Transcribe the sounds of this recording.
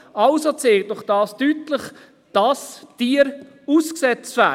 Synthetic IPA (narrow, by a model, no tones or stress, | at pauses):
ɑlsot͡seːlt̚dʊχd̥ɑːstytləχ | d̥ɑsd̥iəɾ | uːsksɛt͡stvæː